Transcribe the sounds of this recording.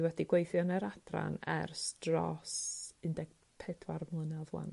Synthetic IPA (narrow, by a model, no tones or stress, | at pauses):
wɛdiɡwejθjɔnəɾad̥ra̰nɛrstrɔsɪndɛɡ̚ | pʰɛdwarmlˠənavwa̰n